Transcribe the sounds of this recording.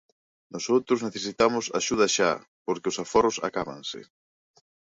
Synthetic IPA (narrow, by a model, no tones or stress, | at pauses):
nɔsowt̪ɾʊzneθesit̪amʊsa̰ʃuð̞ɐʃa̰ | poɾkeʊsafɔɾʊsa̰kaβa̰nsɪ̰